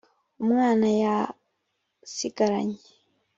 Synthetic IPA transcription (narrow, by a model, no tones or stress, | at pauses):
umwaːnaja | sikaɾa̰ɲi